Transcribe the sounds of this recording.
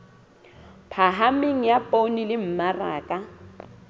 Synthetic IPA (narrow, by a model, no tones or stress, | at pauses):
pʰaɦamɪŋ̩japʼonilɪm̩maraːkʼa